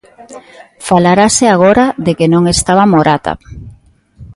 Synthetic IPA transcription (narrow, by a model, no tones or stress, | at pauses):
falaɾaseaɣ̞oɾaðekenõŋest̪aβamoɾat̪a̰